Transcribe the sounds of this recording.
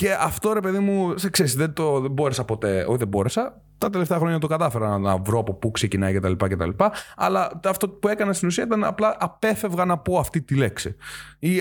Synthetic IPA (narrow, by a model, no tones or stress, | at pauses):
ce̞ɐft̪o̞ɾe̞pe̞ðimuskseɾisðent̪oðebo̞ɾesɐpo̞t̪e̞ot̪iðebo̞ɾesɐ | t̪ɐt̪e̞left̪eɐxɾo̞ɲɐt̪okɐt̪ɐfeɾɐnɐvɾoɐpo̞pukse̞cinɐjcet̪ɐlipɐcet̪ɐ̰lipɐɐ̰lɐɐft̪o̞pue̞kɐnest̪inusiɐit̪ɐnɐ̰plɐʔɐpe̞fe̞vɣɐnɐpo̞ɐft̪it̪ileksii